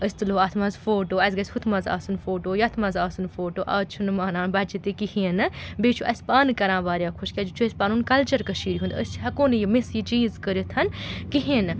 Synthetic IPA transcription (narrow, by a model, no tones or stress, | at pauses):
əsʲt̪ɨloːaːt̪ʰmɐzfoːʈoːɐzɡɐsʲhut̪ʰmɐza̰ːsunfoːʈoːjɐt̪ʰmɐzaːsunfoːʈoːʔɐːt͡ʃʰunɨmaːnaːnbɐt͡ʃit̪ikihiːnɨbeːt͡ʃʰuʔɐsʲpaːnɨkɐɾãːʋaːɾʲjãːkʰuʃkʲad͡ʒt͡ʃʰuɐsʲpaːnuːnkɐlt͡ʃɐɾkɐʃiːɾiɦund̪əst͡ʃʰɦɐkoːnɨjimisjit͡ʃiːzkəɾʲjit̪ʰɐnkiɦiːnɨ